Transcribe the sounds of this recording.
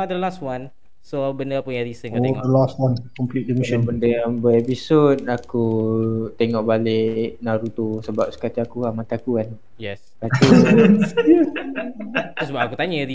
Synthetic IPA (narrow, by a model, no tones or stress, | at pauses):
ad̪əlastwan | sobəndəpʊnjãɾisənkaoeŋd̪əlastwankɔmplit̚dimiʃɔ̃bəndəambəɛpisot̪̚akut̪eŋɔʔbalɪʔnaɾut̪usəbap̚sə̥kataakuamat̪aːkuan | jɛskat̪ə | jə | tosbaakut̪aɲəɾi